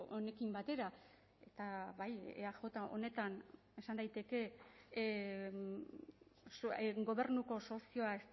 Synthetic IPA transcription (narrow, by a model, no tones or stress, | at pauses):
one̞kimbat̪e̞ɾa | e̞t̪aβajḛaʝo̞t̪aʔo̞̰ne̞t̪an | e̞sand̪ajt̪e̞ke̞ | sɡo̞βe̞ɾnuko̞so̞sio̞aes